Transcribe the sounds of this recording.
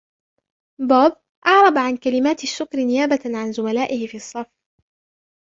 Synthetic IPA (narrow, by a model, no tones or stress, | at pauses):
boːb̚ | ʔɑʕɾˤɑbʕankalɪmaːt̪aʃːʊkɾɪnɪjaːbaʕanzʊmalaːʔɪhɪfiːɑsˤːɑf